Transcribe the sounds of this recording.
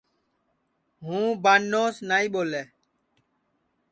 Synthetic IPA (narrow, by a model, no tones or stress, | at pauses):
ɦũːbaːnːoːsnaːĩːɓoːleː